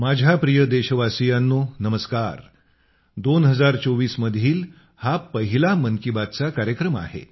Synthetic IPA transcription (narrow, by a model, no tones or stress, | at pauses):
mad͡ʑʱapɾijəd̪eɕəʋasijanːonəməskaɾ | d̪onɦəd͡zaɾt͡soʋiːsməd̪ʱiːl | hapəɦilaməŋkibat̪t͡sakaɾjəkɾəma̰ɦḛ